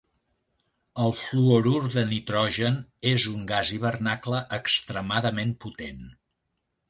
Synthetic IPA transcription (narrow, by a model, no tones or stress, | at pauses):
əlˠfluoɾuɾðənit̪ɾɔʒənezuŋɡaziβ̞ərnakləʔəkst̪ɾəmaðəmemput̪en